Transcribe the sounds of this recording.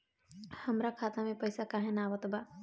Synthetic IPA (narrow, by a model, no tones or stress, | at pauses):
həmɾakʰaːt̪amẽpəjsakaːɦẽnaːʋət̪ba